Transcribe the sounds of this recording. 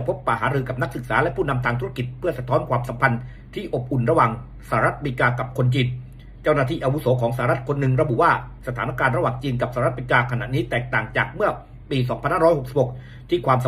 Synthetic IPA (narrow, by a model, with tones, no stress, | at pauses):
pʰo˦˥pːa˨˩haː˩˦ɾɯː˧ka˨˩p̚na˦˥k̚sɯ˨˩k̚saː˩˦lɛ˦˥ʔpʰuː˥˩na˧mt̪ʰaː˧ŋt̪ʰu˦˥ɾa˧˩ki˨˩t̪̚pʰɯ˥˩ɐsa˨˧t̪ʰɔː˦˥nkʰwaː˧msa˩˦mpʰa˧n | t̪ʰiː˥˩ʔo˨˩p̚ʔu˨˩nɾa˧waː˨˩ŋ | saː˧˩˦ɾa˦˥t̪̚mi˧kaː˧ka˨˩p̚kʰo˧nt͡ɕiː˧n | t͡ɕa˥˩wnaː˥˩t̪ʰiː˥˩ʔa˧wu˦˥sɔː˩˦kʰɔː˩˦ŋsa˧a˧ɾa˦˥t̪̚kʰo˧nːɯ˨˩ŋɾa˧bu˨˩ʔwaː˥˩sa˧t̪ʰaː˩˦na˧˩kaː˧nɾa˧waː˨˩ŋt͡ɕiː˧nka˨˩p̚saː˧˦ɾa˦˥t̪̚miː˧kaː˧kʰa˧na̰˨˩ʔniː˦˥t̪ɛː˨˩k̚t̪aː˨˩ŋt͡ɕaː˨˩k̚mɯ˥˩ɐ | piː˧s̬ɔː˩˦ŋpʰa˧nhaː˥˩ɾɔː˦˥jho˨˩k̚si˨˩p̚ho˨˩k̚ | t̪ʰiː˥˩kʰwaː˧msa˨˦